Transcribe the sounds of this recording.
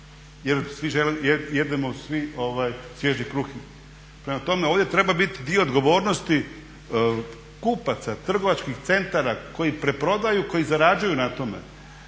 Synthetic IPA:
jed̪sʋiʒelijejed̪emosʋio̞ʋajsʋjeʒnikɾuxi | pɾemat̪o̞me̞o̞ːʋd̪jet̪ɾe̞babit̪id̪ioːd̪ɡo̞ʋo̞ːɾnost̪i | kupat̪sat̪r̩ɡo̞ʋat͡ʃkixt̪se̞nt̪aɾako̞jipɾe̞pɾo̞d̪ajuko̞jizaɾad͡ʒujunat̪o̞mḛ

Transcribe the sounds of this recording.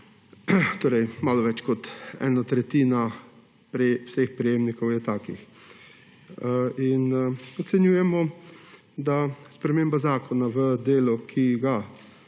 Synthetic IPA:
t̪oːɾɛjmaːlɔʋɛt͡ʃkɔt̪ɛ̰ːnat̪ɾɛt̪iːna | pɾwsexpɾijeːmnikɔwjɛt̪aːkḭx | inɔt̪sɛnjuːjɛmɔ | d̪aspɾɛmeːmbazaːkɔnaʋəd̪eːlɔkʰiɡa

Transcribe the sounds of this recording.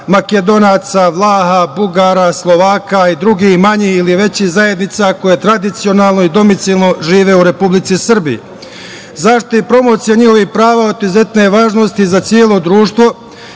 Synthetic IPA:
maked̪o̞naːt̪saʋlˠaːɦabuɡaːɾaslˠo̞ʋaːkaid̪ɾuɡihmaɲihiliʋe̞t͡ɕihzaje̞d̪nit̪sako̞jet̪ɾad̪it̪sio̞naːlˠno̞id̪o̞mit̪silˠno̞ʒiːʋe̞uɾe̞publit̪sisɨr̩bijḛ | zaʃt̪ojepɾo̞mot̪sijaɲihoʋihpɾaːʋaot̪ize̞t̪ne̞ʋaːʒno̞st̪izat̪sjeːlo̞d̪ɾuːʃt̪ʋo̞

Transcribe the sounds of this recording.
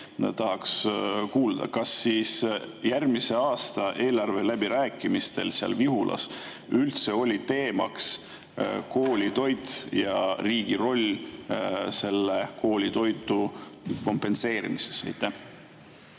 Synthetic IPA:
t̪ɑɦɑkskuːld̪̥ɑ̰kɑsːiːsjærmise̞ɑːst̪ɑʔe̞ːlɑrve̞læb̥iɾæːkːˑimist̪e̞̰lsiɑ̰lviɦulʔɑ̰s | ylt̪se̞o̞lʲit̪e̞ːmɑ̰ks | ko̞ːlʲit̪o̞jt̪jɑriːɡ̥iro̞lʲ | se̞lːeko̞ːlʲit̪o̞jt̪ˑːuko̞mpe̞nse̞ːɾimise̞̥sɑ̰jt̪ːˑæh

